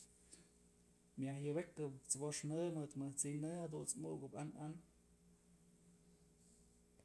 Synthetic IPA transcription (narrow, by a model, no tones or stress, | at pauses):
mjahjɨbekɨt͡sboʂnɨmɨt̪mɨt͡sinɨhad̪unt͡smuʔɡɨpanan